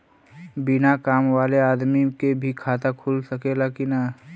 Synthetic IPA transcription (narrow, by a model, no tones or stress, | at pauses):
bɪnakaːmwaːleaːd̪mikebʱikʰaːt̪akʰulsəkelaːkina